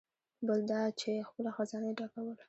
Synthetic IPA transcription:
bəld̪ɑt͡ʃexpəlaxazɑnaɖɑkawəl

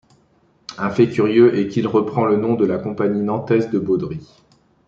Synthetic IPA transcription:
ɛ̃fɛkʲyʁjøʔɛkilʁəpχɑ̃lənɔ̃d̪əlakɔ̃paɲinɑ̃t̪ɛzd̪əbod̪ʁi

